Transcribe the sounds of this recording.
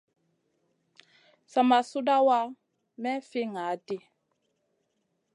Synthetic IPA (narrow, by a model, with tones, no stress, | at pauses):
sa˨ma˨su˦da˦wa˦ | mɛ˦fi˦ŋa˨˦ti˦